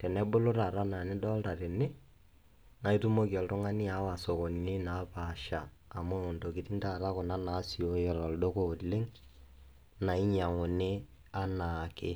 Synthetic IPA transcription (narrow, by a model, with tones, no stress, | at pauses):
tɛ˨nɛ˦bʊ˦lo˦ɾa˨ɾa˦na˨nɪ˦dɔ˦lta˨ɾɪ˨nɪ˦ | na˨i˦tu˦mo˦ki˨ɔ˨ltʊ˦ŋa˦ni˦a˨˦wa˨so˨ko˨n˨nɪ˦na˨˦pa˨ʃaː˨ | mʊ˦ʊ˨nto˨ki˨ti˦nta˨ɾa˦kʊ˨na˦na˨˦si˨o˦jɔ˨ɾɔ˨ldo˦ko˨lɪ˦ŋ | na˨i˦ɲa˨ŋo˨nɪ˦ | a˦na˨kɪ˦